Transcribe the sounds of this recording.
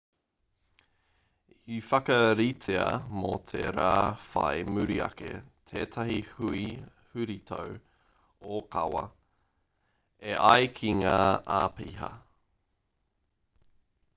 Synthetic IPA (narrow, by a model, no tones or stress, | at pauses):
ifɐkɐɾitʰeɐmot̪ʰeɾaːfɐemʉɾiɐ̰kḛtʰeːtʰahihʉi | hʉɾit̪ʰow | okʰɐwɐ̰ | eʔɐjkʰiŋaːʔaːpiɦɐ̰